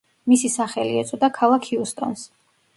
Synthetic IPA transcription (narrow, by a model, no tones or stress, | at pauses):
misisaχɛliɛt̪sʼɔd̪akʰalˠakʰiust̪ʼɔ̰ns